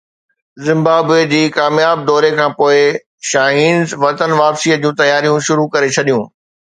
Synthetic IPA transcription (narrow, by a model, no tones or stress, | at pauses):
zɪ̃mbaːbed͡ʑiːkaːmjaːb̚d̪ɔːɾekʰãːpoːɪ | ʃaːɦiːnzʋɐt̪ənʋaːpsiːəd͡ʑũːt̪ɐjaːɾijũʃʊɾukɐɾet͡ɕʰɐɗijũː